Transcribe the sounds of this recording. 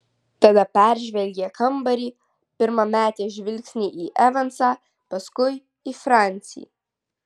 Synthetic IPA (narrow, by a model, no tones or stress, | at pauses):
t̪ɐd̪ɐpʲæˑɾʲʒʲʋʲɛlʲɡʲeːkʰɐmbɐɾʲiː | pʲɪɾmɐmʲæːt̪ʲeːʒʲʋʲɪlʲkʲsʲnʲiːʔiʔɛʋɐnsɑː | pɐskʊɪ | ifɾɑˑnʲt̪sʲɪ̰j̰